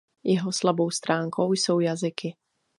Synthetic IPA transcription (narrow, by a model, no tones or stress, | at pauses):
jɛɦɔslabowst̪ɾʔaːŋkʰoʊjsowjazɪkɪ